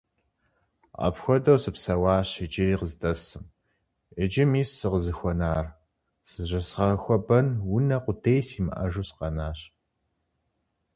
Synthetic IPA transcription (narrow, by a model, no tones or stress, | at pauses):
ɐ̰pxʷɔdɐwsɨpsɐwɑːɕɪd͡ʒʼɪriːqəztʼɐsɨm | ɪd͡ʒɪmiːssɨʁəzɨxʷɔnaːr | sɨʑɐsʁɐxʷɔbɐnwʊnɐqʷʊtʰejsiːmɨ̰ʔɐ̰ʒusqɐnaːɕ